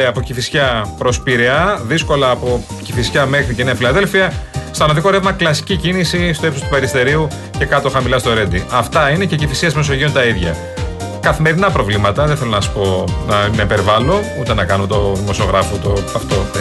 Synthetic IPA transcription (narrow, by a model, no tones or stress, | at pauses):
eɐpo̞cifisçɐpɾo̞spiɾeɐðisko̞lɐːpo̞ | cifisçɐme̞xɾiceneɐfilɐðe̞lfiɐst̪ɐnɐðiko̞ɾevmɐklɐsi̥cicinisist̪o̞epsost̪upeɾist̪e̞ɾiu | ce̞kɐt̪o̞xɐmilɐst̪o̞ɾe̞d̪iɐft̪ɐine̞cecifisiɐzme̞so̞ʝio̞nt̪ɐiðʝɐ | kɐθime̞ɾinɐpɾo̞vlimɐt̪ɐðeθelonɐsi̥po̞nɐnɐipeɾvɐlo̞ut̪e̞nɐkɐnut̪o̞ðimo̞sio̞ɣɾɐfot̪oɐft̪o